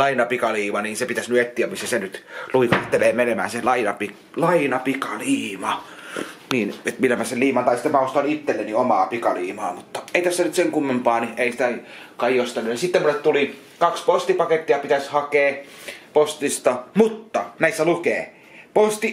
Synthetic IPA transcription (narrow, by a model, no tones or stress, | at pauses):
lɑinɑpikɑliːmɑniːnsepit̪æsnyet̪ːiæmmisːæsenyt̪luikɑt̪ːeleːmenemæ̰ːnselɑinɑpik | lɑinɑpikɑliːmɑ | niːnet̪milːæmæselliːmɑnt̪ɑˑist̪æmæost̪ɑnit̪ːelːenːiomɑːpikɑliːmɑ̰ːmut̪ːɑeˑit̪æsːænyt̪seŋkumːempɑːniʔeˑisĭ̥t̪æ | kɑjjost̪ɑnːunisit̪ːemunːet̪t̪uli | kɑkspost̪ipɑket̪ːiɑpit̪æshɑkeːpost̪ist̪ɑmut̪ːɑnæˑisːælukeː | post̪i